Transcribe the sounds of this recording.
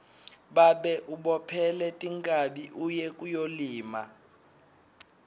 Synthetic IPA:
ɓaɓɛʔuɓɔpʰɛlɛtʼiŋkʼaɓiʔujɛkʼujoliːma̰

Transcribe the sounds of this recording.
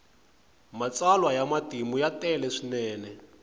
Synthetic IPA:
mat͡salwajamatimujatɛlɛʂinɛːnɛ

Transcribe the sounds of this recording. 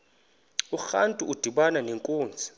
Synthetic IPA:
uxa̰ntʼuud̥ʱiɓananeŋkʼoːnd͡zʱi̥

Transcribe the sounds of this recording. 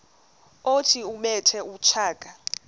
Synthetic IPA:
otʰiumɛtʰɛut͡ʃʰaːkʼa

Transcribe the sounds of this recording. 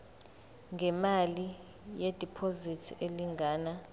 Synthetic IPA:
ŋɡʱɛmali | jed̥ʱipʰozitʰeliŋɡʱaːna

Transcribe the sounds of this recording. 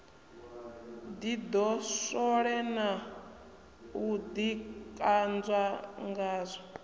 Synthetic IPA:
d̪id̪ɔsɔɺɛna | ud̪ikʼand͡zwaŋɡaːzʷɔ

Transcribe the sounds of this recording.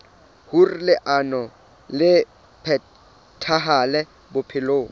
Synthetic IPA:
hurlɪʔanɔ | lɪ | pʰɛ | tʰaɦalɛ | bʊpʰɪloːŋ

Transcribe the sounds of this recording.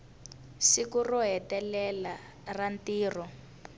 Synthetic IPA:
sikurɔɦɛtɛlɛla | rantiːrɔ

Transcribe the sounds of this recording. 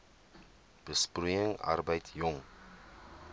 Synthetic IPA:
b̥əspruəŋɐ̰rbəjtjɔŋ

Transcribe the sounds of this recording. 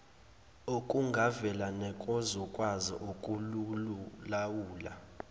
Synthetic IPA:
okʼuŋɡʱavɛlanɛkʼɔzɔkʼwazḭʔokʼulululawuːla̰

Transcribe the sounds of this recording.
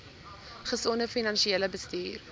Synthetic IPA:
χəsɔnəfinɐnʃieləbəstyːr

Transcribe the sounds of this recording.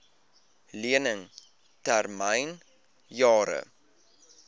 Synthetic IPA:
liənəŋ | tærməjn | jɑːɾə̰

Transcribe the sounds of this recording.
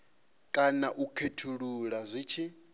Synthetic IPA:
kʼanaʔukʰetʰuɺuɺazʷiːt͡ʃʰi

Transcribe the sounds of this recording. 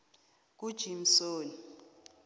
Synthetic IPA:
k̬ʼud̥ʒ̥ʱim̩soːni

